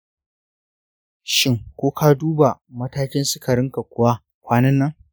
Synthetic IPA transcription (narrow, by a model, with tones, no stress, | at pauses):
ʃɪ˦ŋkʷoː˦kʰa˦duː˦ba˨mɐ˦taː˦kʲɪ˦nsɪ˦kʰɐ˨ɽɪ˦ŋka˨kʷʊ˨wa˦ | kʷaː˦nɐ˦nːɐ˦ŋ